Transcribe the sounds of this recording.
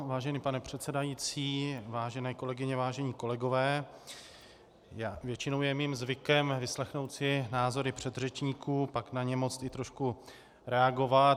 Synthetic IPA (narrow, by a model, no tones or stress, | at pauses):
vaːʒɛniːpanɛpr̝̥ɛt̪t͡sɛdajiːt͡siːvaːʒɛnɛːko̞lɛɡɪɲɛvaːʒɛɲiːko̞lɛɡo̞vɛː | jaːvjɛt͡ʃɪno̞wjɛmiːmzvɪkɛmvɪslɛxno̞wt̪sɪnaːzo̞ɾɪpr̝̥ɛd̪r̝ɛt͡ʃɲiːkuːpaknaɲɛmo̞t͡st̪ɪt̪ɾo̞ʃku | ɾɛaɡo̞vat